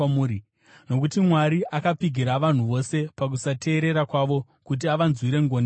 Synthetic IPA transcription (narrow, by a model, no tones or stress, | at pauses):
uːɾi | no̞k̬utimwaɾiʔakapiɡʱiɾaʋan̤uʋo̞se̞pak̬usatʰe̞ːɾe̞ɾakwaʋo̞ | kut̬iaʋanzwiɾe̞ŋɡone